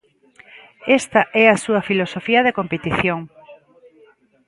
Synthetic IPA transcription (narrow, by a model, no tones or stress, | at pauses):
est̪ɐʔɛɐsuɐfilosofiɐðekompet̪iθjoŋ